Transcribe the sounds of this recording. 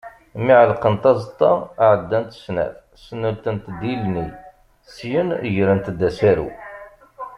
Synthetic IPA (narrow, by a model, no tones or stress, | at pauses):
miʕəlqənt̪ɑzˤt̪ˤːɑ̰aʕəd̪ːænt̪snæ̰θ | sənːəlt̪ənt̪d̪ilni | sjənʝɾənt̪d̪æsæɾṵ